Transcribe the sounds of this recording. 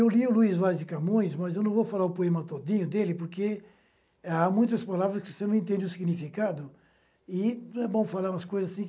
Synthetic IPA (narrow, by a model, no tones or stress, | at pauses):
ewliʊluizvazd͡ʒɪkamõj̃smɐzewnɐ̃w̃vofalaɾʊpoẽmɐt̪od̪ĩɲʊd̪elɪpoɾke | amũj̃t̪ɐspalavɾɐskɪvosenɐ̃w̃ẽnt̪̬ẽnd͡ʒɪʊsiɡnifikad̪ʊ | ɪñɛbõw̃falaɾũɐskojzɐzɐsĩ